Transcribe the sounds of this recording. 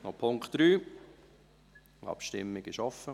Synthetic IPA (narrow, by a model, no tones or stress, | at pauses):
nɔpʰʊŋkχt̪d̥ɾyː | ɑ̰pʃtɪ̰mːɪɡ̥ɪʃɔfːə